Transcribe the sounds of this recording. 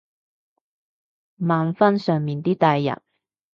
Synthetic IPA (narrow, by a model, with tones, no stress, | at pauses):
maː˨˧nfɐ˥nsœː˨ŋmiː˨nt̪iː˥t̪aː˧jːɐ̰˨˩n